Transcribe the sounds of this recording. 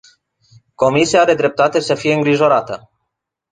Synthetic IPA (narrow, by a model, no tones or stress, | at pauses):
ko̞misiaaɾe̞d̪ɾe̞p̚t̪at̪e̞səfije̞ɨŋɡɾiʒo̞ɾat̪ə